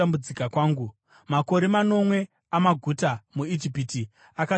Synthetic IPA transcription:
ambud͡zikakwaːŋɡu | mako̞ɾe̞mano̞mwe̞ | amaɡʱutamuid͡ʒipiti | aka

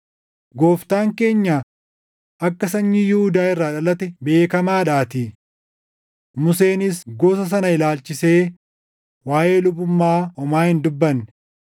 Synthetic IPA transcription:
ɡo̞ːft̪aːŋke̞ːɲːaː | ʔɐkːɐsɐɲːiːjuhʊd̪aːɪrːaːᶑɐlɐt̪ɛbe̞ːkɐmaːᶑaːt̪ɪ | mʊse̞ːnɪsɡoːs̬ɐs̬ɐnɐɪlaːlt͡ʃɪse̞ː | waːʔe̞ːlʊbʊmːaːɔmaːhɪnd̪ʊbːɐn

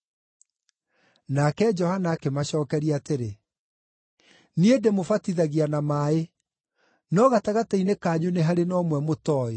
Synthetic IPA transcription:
nakɛd͡ʒɔhanakemaɕɔːkɛɾiateɾe | niedemofatiðaɣianamaːe | nɔɣataɣatainekaːɲoneɦaɾenɔmwɛmotɔːe

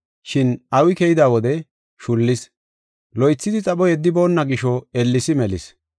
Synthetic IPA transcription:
ʃɪnɐwɪkɛjɪd̪aːwɔd̪ɛ | ʃʊlːɪs | lɔjt͡sːɪd̪ɪt͡sʼɐɓɔjɛd̪ːɪbo̞ːnːɐɡɪʃɔɛlːɪsɪmɛlɪs

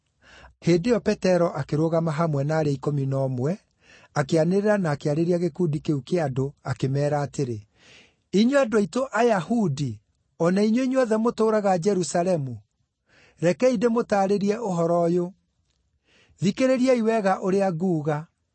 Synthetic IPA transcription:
hedejɔpɛtɛɾɔʔakeɾoɣamaɦamwɛnaːɾeikominɔːmwɛ | akeaneɾeɾanaːkeaɾeɾiaɣekuːdikeukeadoakemɛːɾaːteɾe | iɲoadoaitoʔajahudi | ɔnaiɲoiɲoɔðɛmotoːɾaɣad͡ʒɛɾusalɛmu | ɾɛkɛidemotaːɾeɾiɛʔoɦɔɾɔjo | ðikeɾeɾiɛiwɛɣaʔoɾeaɣuːɣa

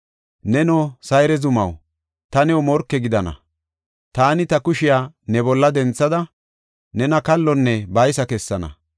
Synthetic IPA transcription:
nɛnɔsɐjɾɛzʊmɐ̰w | t̪ɐnɛwɔmɔɾkːɛɡɪd̪ɐnɐ̰ | t̪aːnɪt̪ɐkʊʃɪjaːnɛbɔlːɐd̪ɛnt͡sːɐd̪ɐ | nɛnɐkɐlːɔnːɛbɐjsɐkɛsːɐnɐ̰

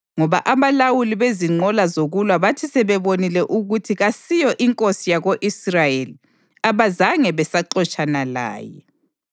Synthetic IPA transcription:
ŋɔβa̰ʔaβalawuliβeziŋ͡ǃʱɔlazoɣulwaβatʰisɛβɛβonilɛʔuɣutʰiɣasijɔʔiŋkʼosijaɣoʔisrajeli | aβazaŋɛβɛsaǃɔt͡ʃʼanala̰ːjɛ̰

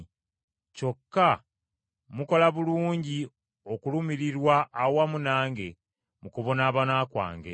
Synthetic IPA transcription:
co̞kːa | muko̞laβuluːɲɟi | okulumiɾiɾwaʔːwamunaːŋɡe̞ | mukuβo̞naːβanakwa̰ːŋɡḛ

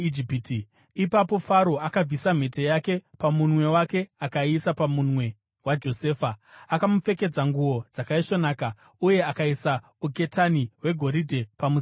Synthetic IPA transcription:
id͡ʒipiti | ipapo̞faɾo̞akab͡visam̤e̞tejake̞pamunwe̞wake̞akaisapamunwe̞ | wad͡ʒo̞se̞ːfaakamup͡fe̞ke̞d͡zaŋɡuwo̞d͡zakaiʃo̞naːka | uje̞akaisa | uke̞taniwe̞ɡʱo̞ɾidʱe̞pamu

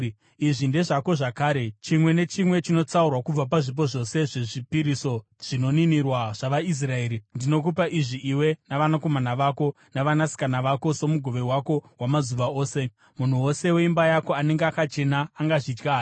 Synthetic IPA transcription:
iʐinde̞ʐako̞ʐakaːɾe̞t͡ʃimwe̞ne̞t͡ʃimwe̞t͡ʃino̞t͡saurwakub͡vap̬aʐip̬o̞ʐo̞se̞ʐe̞ʐipiɾiso̞ | ʐ̥ino̞ninirwaʐ̥aʋais̬rae̞ːɾindino̞k̬upaʔiʐiʔiwe̞naʋanako̞manaʋako̞ | naʋanasi̥kanaʋako̞so̞muɡʱo̞ʋe̞wako̞wamazuʋao̞ːse̞ | mun̤uwo̞se̞weimbajako̞aneŋɡeakat͡ʃe̞naːŋɡaʐid͡ʒɡaː

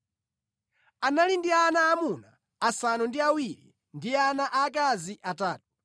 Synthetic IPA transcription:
analindianaːmunaː | sanundiawiɾḭ | ndianaʔakaziʔataːtu̥

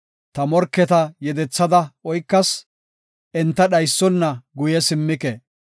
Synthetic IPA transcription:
t̪ɐmɔɾkːɛt̪ɐjɛd̪ɛt͡sːɐd̪ɐɔjkːɐs | ʔɛnt̪ːɐɗɐjsːɔnːɐɡʊjɛsɪmːɪkɛ

